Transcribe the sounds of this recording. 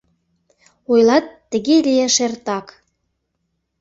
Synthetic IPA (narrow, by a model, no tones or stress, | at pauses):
ojlɑt̪ːə̆ɣelʲieʃert̪ɑk